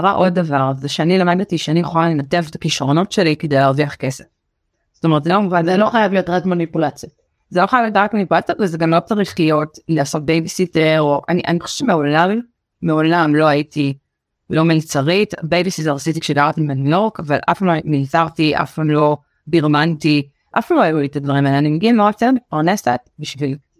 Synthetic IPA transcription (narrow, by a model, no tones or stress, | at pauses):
aʁaʔo̞d̚ːavaʁzeʃeanilomadlatiʃeanijeχolalenatevtḁkiʃʁo̞no̞tʃelikideaʁviaχkesef | z̥otometzeomuvanzeloχajaviotʁatmanipulat͡sjot | zeloχajavjodʁakmanipulat͡sjavezeɡamotaʁiχijo̞tleaso̞t̚bejbisiteʁoʔaniʔa̰niχoʃe̥v̥ɛ̥t͡ʃemeaolavi | meolamlo̞ajiti | lo̞milt͡saʁitbejbisizaʁsit̬ikʃedaʁt̪imanokavalʔa̰fpammilt͡saʁtiʔa̰fpamlo̞ | ɡiʁmanti | ʔa̰fpamlojjulit̪advɐʁimaeanimeɡiamoʁat̪eʁmit̚paʁnesa̰t̪biʃvil